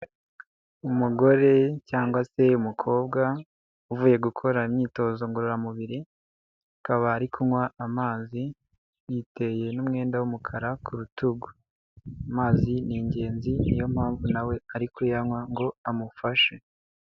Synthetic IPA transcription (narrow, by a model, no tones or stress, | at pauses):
umuɡo̞ɾe̞caːŋɡwase̞umukʰo̞ːbɡa | uvuːje̞ɡukʰo̞ɾaimɲiːto̞ːzo̞ŋɡoɾoɾamuβiɾi | akaβaːɾikʰuŋwaːmaːzi | wite̞je̞numŋe̞ːndawumukʰaɾakʰuɾutuɡu | amaːziniːɲɟe̞ːnzinijo̞m̥haːɱvunawe̞aɾikujaŋwaŋɡo̞amufaʃe